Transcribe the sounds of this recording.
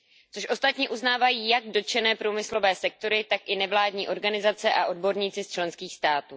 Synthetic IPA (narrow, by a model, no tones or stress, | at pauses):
t͡soʃʔo̞st̪at̪ɲɛʔuznaːvajiːjaɡdot͡ʃɛnɛːpɾuːmɪslo̞vɛːsɛk̚t̪o̞ɾɪt̪akʔɪnɛvlaːdɲiːʔo̞ɾɡanɪzat͡sɛʔaʔo̞dbo̞ɾɲiːt͡sɪst͡ʃlɛnskiːxst̪aːt̪uː